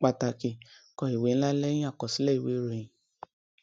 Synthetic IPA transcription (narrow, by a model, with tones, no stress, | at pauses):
k͡pa˨ta˨ke˨kɔ˧i˨we˨˦n̩˦la˦lɛ˦jĩ˦a˦˨kɔ˨si˦lɛ˦i˨we˨˦ɾĩ˨˧˨